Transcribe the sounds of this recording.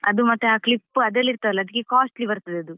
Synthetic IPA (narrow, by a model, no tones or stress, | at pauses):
ɐ̰d̪umɐt̪ːeaːklipːuɐd̪elːiɾt̪aʋɛlːɐd̪ikːekaːsʈlibɐɾt̪ɐd̪eɐd̪u